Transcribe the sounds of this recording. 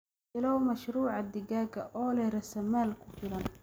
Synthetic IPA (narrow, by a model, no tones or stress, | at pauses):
ɪlɐwmɐʃɾuːʕɑd̪ɪɡaːɡɐʔɔːlɛɾɐsɐmaːlkʰʊ̥fɪlɐn